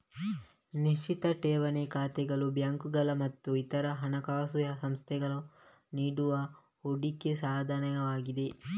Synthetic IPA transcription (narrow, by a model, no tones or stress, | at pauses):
niʂt͡ʃit̪ɐʈeːʋɐnekaːt̪ɛɡɐɭubjaŋkuɡɐlɐmɐt̪ːuit̪ɐɾɐɦɐnɐkaːsujɐsɐmst̪ʰɛɡɐɭu | niːɽuʋɐ | oɽikːesaːd̪ʱanɐjɐʋaːɡid̪e̞